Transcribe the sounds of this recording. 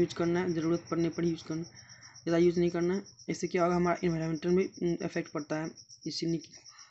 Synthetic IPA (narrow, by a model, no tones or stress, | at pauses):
juːd͡ʒkəɾnaɦɛd͡ʒəɾuːɾət̪̚kəɾnepəɽjuːd͡ʒkəɾnad͡ʒaːd̪ajuːd͡ʒnəɦĩkəɾnaɦɛeɪsekeɔɡəɾɦɐmaɾaʔɪnʱaːɾomẽɳʈənbʱiḛpʰek̚ʈ̚pɐɾt̪aɦɛɪsiniki̥